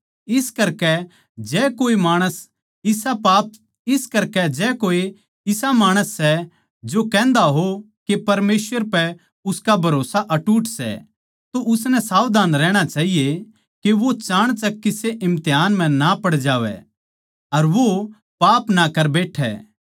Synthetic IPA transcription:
ɪskɐɾkɛ | d͡ʒɛːkoːimaːɽ̃əs | ɪsapaːp̚ | ɪskɐɾkɛd͡ʒɛːkoːe | ɪsamaːɽ̃əsːɛ | d͡ʒokɛ̃ːnd̪aɦo | kepɐɾmeːsʋəɾpɛ | ʊskabʱɐɾoːsaʔɐʈuːʈsɛ̰ | t̪oʔʊsnɛ̃saːʋd̪aːnɾɛ̃ːɽ̃at͡ʃaːɦije | keʋot͡ʃãːɽ̃t͡ʃɐkːɪseʔɪ̃mt̪ɪjɦaːnm̤ɛ̃napɐɽd͡ʒaːʋɛ̰ | ɐɾʋo | paːpnakɐɾbeːʈʰɛ̰ː

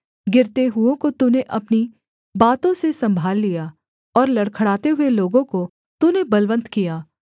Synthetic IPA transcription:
ɡɪɾt̪eɦʊõkot̪uneʔɐpni | baːt̪õsesɐ̃mbʱaːlːija | ɔːɾlɐɽkʰəɽaːt̪eɦʊeloːɡõko | t̪unebɐlʋə̃nt̪kijaː

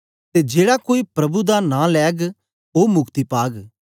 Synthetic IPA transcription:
t̪eːd͡ʒeːɽakoːipɾɐbud̪anãlɛːɡ | oːmʊkt̪ipaːɡ

